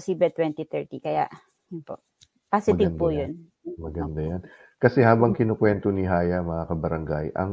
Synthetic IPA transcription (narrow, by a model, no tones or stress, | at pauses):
siːbɛt̪wɛnt̪it̪ɛɹt̪ikɐja̰ʔ | jʊpo̰ʔ | pasɪɪvnpʊjon | mɐɡɐnd̪ajan | kɐsɛhaːbɐŋkɪnokwɛnt̪onɪɦaːjɐmɐŋakɐbɐɾɐŋɡajʔɐ̰ŋ